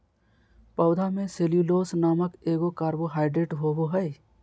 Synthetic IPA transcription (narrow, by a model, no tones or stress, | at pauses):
pɐʊd̪ʱamẽseːljuloːsnaːməkeːɡokaːɾboɦaːɪɖɾeːʈɦoːboɦɛj